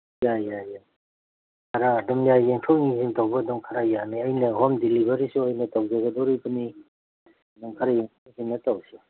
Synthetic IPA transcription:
jajaja | kʰaɾaːdɔmjajeŋtʰowŋiziŋtawbɐːdɔmkʰaɾajaniɐjnɐɦɔmdilibaɾisuajnɐtawzɐɡɐdɔɾibəni | dɔmkʰaɾajeŋtʰaisiŋnɐtawsi

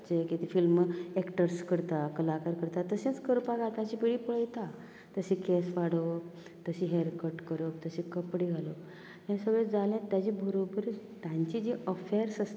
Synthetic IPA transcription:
t͡sekit̪ifilmɛkʈəɾskəɾt̪akəlakaɾkəɾt̪at̪əsẽnt͡skəɾpaɡat̪ãt͡ɕipiɽiːpəɭəjt̪a | t̪əsikesʋaɽə | t̪əsiɦeɾkəɾʈkəɾət̪əsikəpɽiːɡʱalo | jãsəɡɭed͡zalẽt̪jad͡ʑiːbʱəɾobəɾ | t̪jãɲt͡ɕid͡ʑiʔəfeɾsəst̪

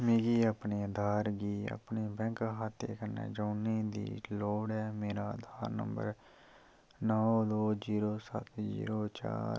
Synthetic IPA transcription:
meːɡiːaːpneːəd̪ʱaːɾɡiːa̰pneːbɛ̃ŋkɦaːt̪ʰːḛːkənːḛ̃ːd͡ʒaːneːd̪ḭːloːɽɛːmeːɾaːəd̪ʱaːɾnə̰mbə̰ɾ | nɔːd̪oːd͡ʒiːɾoːsə̰t̪ʰd͡ʒḭːɾoːt͡ʃa̰ːɾ

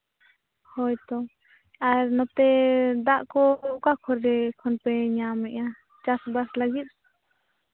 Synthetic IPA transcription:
hɔjt̪ɔ | aɾnɔt̪ɛd̪aʔkɔʔukakʰɔɾːɛkʰɔnpɛɲamɛʔa | t͡ʃasbaslaɡit̪̚

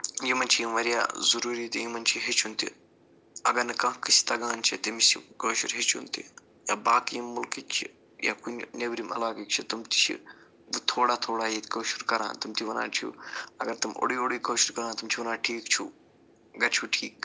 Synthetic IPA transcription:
jimɐnʲt͡ʃʰijiʋɐɾja̰ːzɐɾuːɾit̪ijimɐnʲt͡ʃʰiɦet͡ʃʰunt̪ḭ | ɐɡɐnɨkɐ̃kisi̥t̪ɐɡaːnt͡ʃʰit̪imsḭkoːʃuɾɦet͡ʃʰunt̪ḭ | jaːbaːkijmːulkikt͡ʃʰḭ | ja̰ːkunʲnʲɐbɾimɐ̰laːɡikt͡ʃʰit̪umt̪i̥t͡ʃʰḭ | ʋɨt̪ʰoːɽaːt̪ʰoːɽaːjit̪koːʃuɾkɐɾã̰ːnt̪umt̪ʰiʋɐna̰ːt͡ʃʰṵɐɡɐɾt̪umo̰ɽiːoɽiːkoːʃuɾkɐɾaːnt̪umt͡ʃʰiʋɐnaːʈʰiːkt͡ʃʰu | ɡɐt͡ʃʰuʈʰiːk

